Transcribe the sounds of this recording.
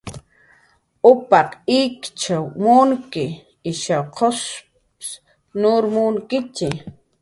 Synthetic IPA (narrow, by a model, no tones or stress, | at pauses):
ʊpɑqikt͡ʃawmʊŋkɪ | ɪʃawqʰos | s | nʊɾmuŋkɪt͡ʃɪ